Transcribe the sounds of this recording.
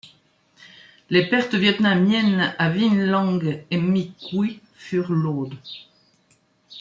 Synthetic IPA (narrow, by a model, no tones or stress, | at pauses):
lepɛʁt̪əvjɛt̪namjɛnavinlɑ̃ŋɡemikwi | fyʁloːd̪